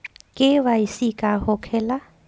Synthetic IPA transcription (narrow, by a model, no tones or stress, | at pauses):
kʼɪβaisikʼahɔkʰɛla